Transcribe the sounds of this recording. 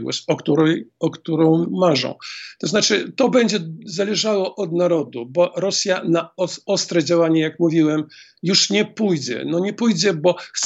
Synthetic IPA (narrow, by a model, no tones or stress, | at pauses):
ɡwɔ̰ɕɔkt̪uɾɛjɔkt̪uɾɔ̃w̃maʐɔ̰̃w̃t̪ɔznat͡ʂɘt̪ɔbɛɲd͡ʑɛzalɛʐawɔʔɔd̪naɾɔd̪ubɔɾɔsʲjanaɔɔst̪ɾɛd͡ʑawaɲɛjakmuvʲiwɛm | juʂɲɛpujd͡ʑɛ̰nɔɲɛpujd͡ʑɛbɔx